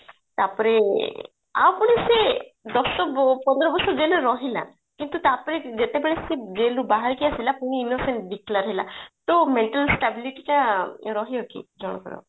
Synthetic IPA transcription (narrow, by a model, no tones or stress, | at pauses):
t̪apɔɾe | a̰wpuɽ̃ised̪ɔsɔpɔnd̪ɾɔbɔsɔd͡ʒeloɾɔɦila̰ | kint̪ut̪apɔɾed͡ʒet̪ebeɭesed͡ʒelubaɦaɾkijasilapuɽ̃iinoseɳʈd̪ikʰlaɾɔɦela̰t̪omeɳʈalsʈabiliʈiʈaɾɔɦiɔkḭd͡ʒɔɽ̃ɔkɔ̰ɾɔ̰